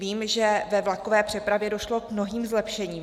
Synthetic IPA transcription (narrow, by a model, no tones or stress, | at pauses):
viːmʒɛvɛvlako̞vɛːpr̝̥ɛpɾavjɛdo̞ʃlo̞kmno̞ɦiːmzlɛpʃɛɲiːm